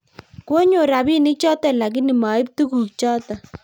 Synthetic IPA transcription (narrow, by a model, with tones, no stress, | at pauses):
kwo˦ɲo˨ɾa˨bi˦nɪ˦k̚t͡ʃɔ˦ta˦˨la˨k̬ɪ˦ni˨ma˨ɪ˦p̚tu˦ku˨k̚t͡ʃɔ˦ta˨